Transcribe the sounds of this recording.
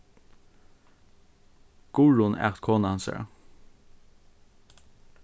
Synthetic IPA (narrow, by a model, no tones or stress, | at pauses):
ɡ̥ʊɹʊnæ̰ʁt̪kʰoːnəɑhɑnsə̰